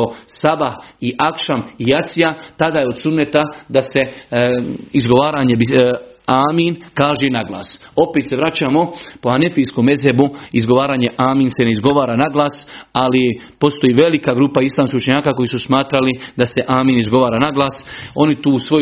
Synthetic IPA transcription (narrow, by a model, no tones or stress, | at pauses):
osabahiʔakʃamijat̪sijat̪ad̪aːjeo̞d̪sumnet̪ad̪ase̞ | izɡo̞ʋaːɾaɲe̞biaːminkaːʒenaɡla̰ːs | o̞peːt̪se̞ʋɾat͡ɕaːmo̞po̞ane̞fiskoːme̞zɦebuizɡo̞ʋaːɾaːɲe̞ʔaːmiːnse̞ne̞izɡo̞ʋaːɾaːnaɡlˠaːsali | po̞st̪o̞jiːʋe̞likaɡɾuːpaislaːmskihut͡ʃeɲaːkaːko̞jisusmaːt̪ɾalid̪ase̞ʔaːminizɡo̞ʋaːɾanaɡlˠaːso̞nit̪uːsʋo̞